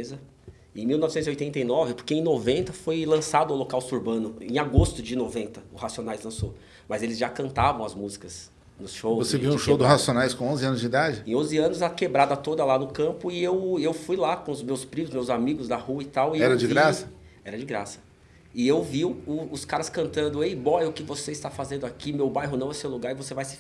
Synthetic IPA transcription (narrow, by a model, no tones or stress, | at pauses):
zɐ | ẽmiwnɔvɪsẽt̪ziojt̪ẽnt̪ejnɔvɪpʊɾkeẽj̃novẽnt̪ɐfojlɐ̃sad̪ʊũlokawst̪uɾbɐ̃nʊḛ̃aɡost̪ʊd͡ʒɪnovẽnt̪ɐʊhasionajzlɐ̃so | mɐzelɪzʒakɐ̃nt̪avɐ̃w̃ɐzmuzikɐs | nʊsʃowvoseviũʃowd̪ɪɦasionajskõõzɪɐ̃nʊzd͡ʒɪid̪ad͡ʒɪẽõzɪɐ̃nʊzɐkebɾad̪ɐt̪od̪ɐlanʊkɐ̃mpʊɪewewfujlakõʊzmewspɾĩʊzmewzamiɡʊzd̪ɐhuɐɪt̪awɪɛɾɐd͡ʒɪɡɾasɐ̥ | ɛɾɐd͡ʒɪɡɾasɐ̥ | ɪewviwʊʊskaɾɐskɐ̃nt̪ɐ̃nd̪ʊejboʊkɪvoseist̪afazẽnd̪ʊakimewbajɦʊnɐ̃w̃ɛsewluɡaɾɪvosevajsɪ̥